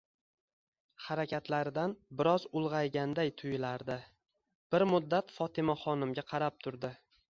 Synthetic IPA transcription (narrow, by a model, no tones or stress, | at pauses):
haɾakʲʰat̪laɾɪd̪anbɪɾɒzʊlˠʁɑjɡʲand̪ajt̪ʰʊjɪlaɾd̪ɪ | b̥ɪɾmʊd̪ːat̪fɒt̪ʰɪmaχɒnɪmɡʲaqʰɑɾap̚t̪ʰʊɾd̪ɪ